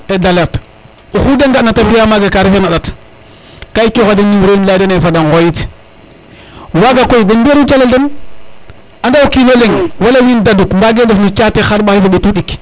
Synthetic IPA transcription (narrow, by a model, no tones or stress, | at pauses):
edaleɾt | uxudeŋɡanatafijamaɡakaɾifenaɗat | kait͡ʃoxadinːiwɾoimlaidenefadanɣojit | waɡakojidenbeɾut͡ʃaladen | andaukileleŋwalawindadukmbaɡendufnut͡ʃatexaɾɓaxis̬aɓetuɗik